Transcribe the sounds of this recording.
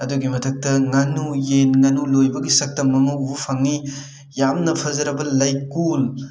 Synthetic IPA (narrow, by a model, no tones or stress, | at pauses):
ɐduɡimɐtʰɐk̚tɐŋɐnujenŋɐnulojbɐɡisɐk̚tɐmːɐŋɐubupʰɐŋːi | jamnɐpʰɐzɐɾɐbɐlɐjkul